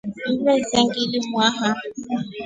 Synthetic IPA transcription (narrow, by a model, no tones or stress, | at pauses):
m̩bɛzɛŋɡilɪmwaɦa